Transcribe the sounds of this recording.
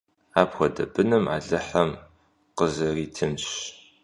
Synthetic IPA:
aːpxʷɐdɐ̰bɨnɨmʕa̰ːɮɨħɐm | qəzɐriːtʰɨmɕ

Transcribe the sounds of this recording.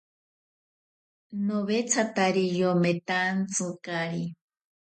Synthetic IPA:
noβet͡sʰat̪aɾijomet̪ant͡sɨkaɾi

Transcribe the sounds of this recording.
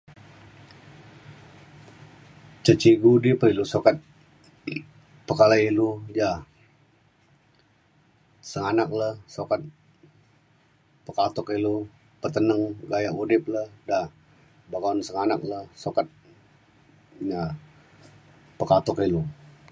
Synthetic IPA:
t͡ʃət͡ʃiɡudipəɾilusokat̪̚ | pəkalailuja | səŋanak̚ləhsokat̪̚ | pəkat̪ɔkilu | pət̪ənəŋɡajaʔudɪp̚ləda | bakansəŋanak̚ləhsokat̪̚ | ja | pəkat̪ɔkilu

